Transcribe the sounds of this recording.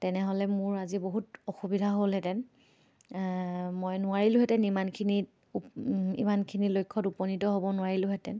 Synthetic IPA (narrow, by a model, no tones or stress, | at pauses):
tɛnɛɦolɛmʊɹaziboɦutɔxubidʱaɦolɦɛtɛn | mojnʊaɹilʊ̃ɦɛtɛnimankʰini | ḭmankʰinilojkʰːɔtupɔnitɔɦobɔnʊaɹilʊ̃ɦɛtɛn